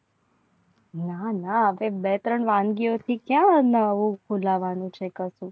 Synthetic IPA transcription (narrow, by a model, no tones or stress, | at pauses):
nanaəʋebet̪ɾəɳʋãnɡiot̪ʰikjãnəʋũkʰulaʋanũt͡ʃʰekəsũ